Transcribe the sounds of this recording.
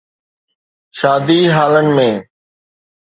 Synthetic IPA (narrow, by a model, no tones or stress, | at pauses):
ʃaːd̪iːɦaːlənɪ̆mẽː